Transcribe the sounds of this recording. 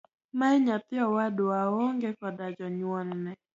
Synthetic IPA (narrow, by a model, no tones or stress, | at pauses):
maɛɲat̪ɪɔwadoaoŋɡekɔdad͡ʒɔɲwɔnːɛ